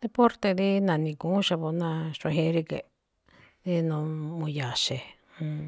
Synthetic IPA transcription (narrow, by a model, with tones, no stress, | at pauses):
d̪e˧po˦ɾt̪e˧d̪i˦nã˨nĩ˧kũ˨˦ʃa˧βo˧˦nã˦˧ʃẽ˧ɦĩ˧˦ɾi˦˧ke˨ | ði˦nũ˧mũ˧ja˨ʃe˨ | hũ˧